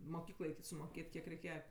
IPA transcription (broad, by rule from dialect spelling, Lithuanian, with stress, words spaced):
moːˈkʲiːklˠɐɪ sʊmoːˈkʲeːtʲ ˈkʲiɛk rʲɛɪˈkʲeːjɛ